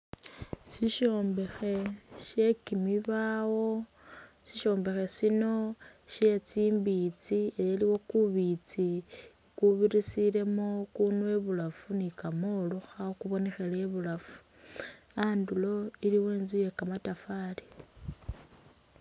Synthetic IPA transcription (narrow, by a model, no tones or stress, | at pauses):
siʃo̞ːmbe̞xe̞ʃe̞kimiβawo̞ | siʃo̞ːmbe̞xe̞sino̞ʃe̞t͡siːmbit͡sieleliwo̞kuβit͡si | kuβiɾisile̞mokunuwe̞βulafunikamoluxakuβo̞nexeleβulafu̥ | andulo̞iliwe̞ːnzuje̞kamatafali